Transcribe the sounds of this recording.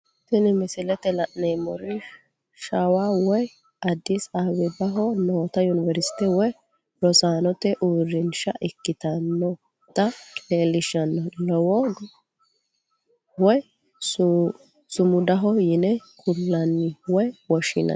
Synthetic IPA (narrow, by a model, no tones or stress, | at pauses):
sɪnɪmɪsɪlɛt̪ɛlɐʔnɛjmɔɾɪ | ʃɐwawɔj | ɐd̪ːɪsawɛbɐɦɔnoːt̪ɐjʊnɪvɛɾsɪ̥t̪ɛwɔj | ɾɔsaːnɔt̪ɛʔuːɾɪnʃɐʔɪkːɪt̪ɐnːɔ | t̪ɐleːlɪʃɐnːɔlɔwɔ | wɔj | s | sʊmʊd̪ɐɦɔjɪnɛkʰʊlːɐnɪwɔjwɔʃɪnɐ̰